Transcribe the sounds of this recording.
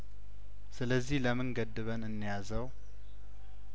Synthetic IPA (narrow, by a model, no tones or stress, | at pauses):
sɨləzːihləmɨŋɡəd̪ɨβənɨnːijazəw